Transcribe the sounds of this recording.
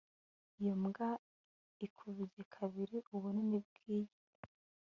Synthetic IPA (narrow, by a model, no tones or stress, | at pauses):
ijomɡa | ikʰuβiɟekʰaβiɾiʔuβonenib̚ɡ̥iːje